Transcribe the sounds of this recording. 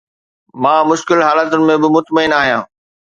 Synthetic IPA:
mãːmʊʃkɪlɦaːlət̪ʊnɪ̆mẽbɪmʊt̪məinaːɦijãː

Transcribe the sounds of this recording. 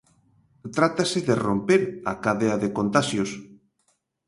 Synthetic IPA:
t̪ɾat̪asɪðerompeɾa̰kaðeaðekont̪aʃjos

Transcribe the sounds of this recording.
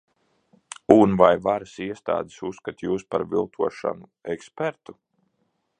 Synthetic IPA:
unvajvaɾəsiɛst̪a̰ːd̪i̥susːkat̪juːspaɾvilˠt̪ʰuɔʃa̰nuɛkspɛɾt̪u̥

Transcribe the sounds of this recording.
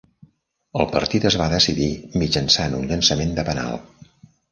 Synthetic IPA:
əlˠpəɾt̪it̪əzβaðəsiðimid͡ʒənsanunʎənsəmend̪əpəna̰lˠ

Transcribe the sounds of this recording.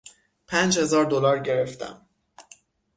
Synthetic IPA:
pʰænd͡ʒhe̞zɒːɾd̪olɒːɾɟe̞ɾe̞ft̪ʰæ̰m

